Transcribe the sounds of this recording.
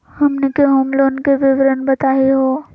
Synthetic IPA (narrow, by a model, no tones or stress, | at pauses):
hɐmnekeɦomloːnkeʋɪʋɾənbɐt̪aːeɦoː